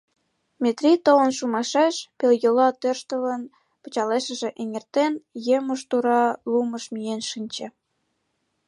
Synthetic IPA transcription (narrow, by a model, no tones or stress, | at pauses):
mʲet̪rʲit̪oənʃumɑʃeʃpeljolɑt̪ørʃt̪əβən | pə̥̆t͡ɕɑleʃə̆ʒĕʔeŋert̪enjeməʃt̪uɾɑluməʃmijenʃinʲt͡ɕĕ